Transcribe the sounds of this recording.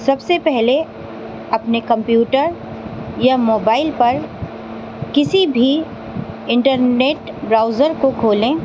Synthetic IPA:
sɐbsepɛɦle | ɐpnekɐ̃mpjuːʈəɾ | jamoːbaːɪlpɐɾ | kɪsibʱi | ɪ̃ɳʈəɾneːʈ | bɾaːʊzəɾkokʰoːlẽː

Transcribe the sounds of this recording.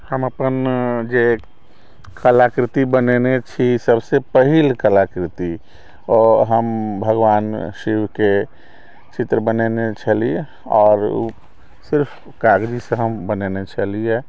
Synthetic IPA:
həməpənd͡ʒe | kʰəlakɾɪt̪ibənenet͡ʃʰisəbsepəɦilkəlakɾɪt̪i | ɔɦəmbʱəɡʋaːnʃiwke | t͡ʃɪt̪ɾəbənenet͡ʃʰəlie | ɔːɾ | sɪɾpʰ | kaɡd͡ʒiseɦəmbənenet͡ʃʰəlie

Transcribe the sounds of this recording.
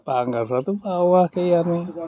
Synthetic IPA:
paŋɡasat̪upawahkejani

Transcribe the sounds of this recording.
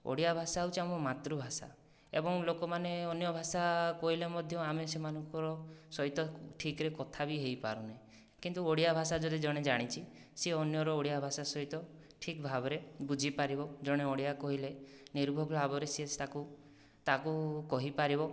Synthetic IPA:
o̰ɽijabʱasaut͡ʃʰiamɔmat̪ɾubʱasa̰ | ḛbɔŋlokɔmaneɔnjɔbʱasakɔɦilemɔd̪ʱjɔamesemanɔŋkɔɾɔsɔɦit̪ɔʈʰikɾekɔt̪ʰabiɦejpa̰ɾuna | kint̪uoɽijabʱasad͡ʒɔd̪id͡ʒɔɽ̃ed͡ʒaɽ̃it͡ʃʰi | seɔnjɔɾɔoɽijabʱasasɔɦit̪ɔ | ʈʰikbʱabɔɾebud͡ʒʱipaɾibɔd͡ʒɔɽ̃eɔɽijakɔɦileniɾbʱɔbʱbʱabɔɾesiest̪aku | t̪akukɔɦipaɾibɔ

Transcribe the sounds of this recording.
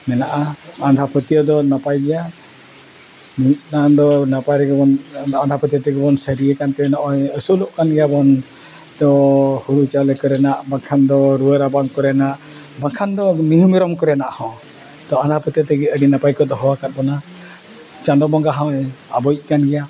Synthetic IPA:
mɛnaʔaand̪ʱapət̪ijɔd̪ɔnapajɡɛja | mit̪nad̪ɔnapajɾɛɡɛbɔnand̪ʱapət̪ijɔt̪ɛɡɛbɔnsəɾiɛkant̪ɛɛnɔʔɔ̃jəsulɔʔkanɡɛjabɔn | t̪ɔhuɾut͡ʃalɛkɔɾɛnaʔbaŋkʰand̪ɔɾuəɾabaŋkɔɾɛnaʔ | bakʰand̪ɔmiɦumiɾɔmkɔɾɛnaʔhɔ̃ | t̪ɔãnd̪apət̪ijɔt̪ɛɡɛəɖinapajkɔd̪ɔɦɔwakat̪̚bɔna | t͡ʃandɔbɔŋɡaɦɔ̃ɛabɔjt̪̚ˀkanɡɛja

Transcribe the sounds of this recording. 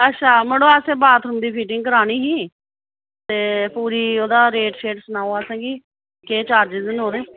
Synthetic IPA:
ətːʃʰaːməɽoːɛːseːbaːt̪ʰɾʊmd̪iːpʰiːʈɪŋɡkəɾaːɽ̃iːɦĩː | t̪eːpuːɾiːoːd̪aːɾeːʈʃeːʈsənaːoaːsãːɡiː | keːt͡ʃaːɾd͡ʒɪzɪnoːɾeː

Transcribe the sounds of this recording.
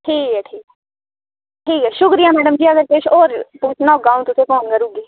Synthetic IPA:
ʈʰiːkɛːʈʰiːk | ʈʰiːkɛːʃʊkɾɪjaːmɛːɖəmd͡ʒiːəɡəɾkeʃoːɾpuːt͡ʃʰnaːoɡaːũt̪ʊsẽːpoːnkəɾuːɡiː

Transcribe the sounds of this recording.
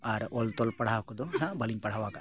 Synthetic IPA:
aɾʔolt̪olpɐɽaɦakud̪uɦabɐliŋpɐɽaʋaːɡa

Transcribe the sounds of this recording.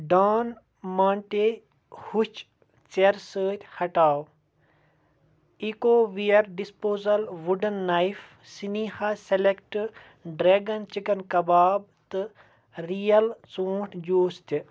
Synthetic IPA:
ɖaːn | maːɳʈe | hut͡ʃ | t͡ʃt͡seɾsəːt̪ʲhɐʈaːw | ikoːʋijɐɾɖispoːzɐlʋuɖɐnːaif | siniːhaselekʈ | ɖɾeːɡɐnt͡ʃikɐnkɐbaːb̚ | t̪ɨ | ɾijɐlt͡soːʈʰd͡ʒoːst̪i

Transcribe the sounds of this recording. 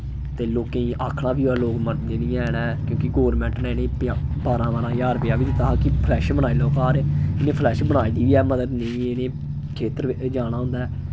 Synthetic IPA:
t̪eːloːkẽːĩːʔaːkʰɽãːbiːaːloːkməɾd̪neːnĩːɛːnɛːkjõːkɪɡoːɾmɛ̃ːɳʈnɛ̃ːɪneːpjapaːɾãːʋaɾãːjaːɾpɪjaːʋiːd̪t̪ːaːkɪpʰlɛːʃbəɽ̃aːilɔːkaːɾɛːɪnẽːpʰlɛːʃbəɽaːiːd̪iːʋiːɛːməd̪əd̪nə̃ĩːeːnẽː | kʰeːt̪əɾd͡ʒaːɽ̃ãːɦʊ̃nd̪aːɛː

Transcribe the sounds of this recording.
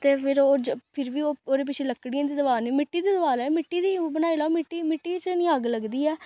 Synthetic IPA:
t̪eːpʰɪɾoːd͡ʒpʰɪɾʋiːoːoːd̪eːp̬ɪt͡ʃʰeːləkːɽijãːd̪iːd̪ʋaːniːmɪʈːiːd̪iːd̪əʋaːlɛːmɪʈːiːd̪iːbənaːilaːmɪʈːiːmɪʈːiːt͡ʃnĩːaɡləɡd̪iːɛː

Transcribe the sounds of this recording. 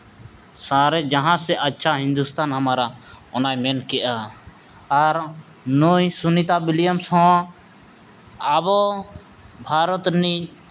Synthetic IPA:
saɾɛd͡ʒaɦãsɛʔətːʃʰaɦĩnd̪ust̪ʰanɦəmaɾaɔnajmɛnkɛʔaː | ɾ | nujsunit̪abilijəmsɦɔ̃ | abɔ | bʱaɾɔt̪ni

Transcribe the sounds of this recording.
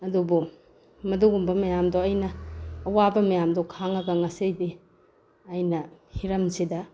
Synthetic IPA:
ɐdubu | mɐduɡumbɐmɐjamdoɐjnɐːwabɐmɐjamdɔkʰaŋɐɡɐŋɐsijbi | ɐjnɐhiɾɐmsidɐ

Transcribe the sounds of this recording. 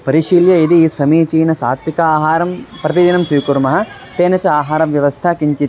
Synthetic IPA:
pɐɾiʃiːljɐid̪isɐmiːt͡ʃiːnɐsaːt̪ʰʋikɐaːɦaːɾɐmpɾɐt̪id̪inɐmsiːkuɾmɐɦɐ̆ | t̪eːnɐt͡ʃɐaːɦaːɾɐʋjɐʋɐst̪ʰɐkiɲt͡ʃit̪

